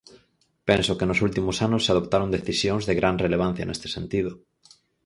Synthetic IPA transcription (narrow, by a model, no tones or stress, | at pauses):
pẽnsokenosult̪imʊsanʊsːeað̞opt̪aɾõnd̪eθisjoŋzðeɣɾanreleβ̞an̟θjɐ̰nʔest̪e̥sẽnt̪ið̞ʊ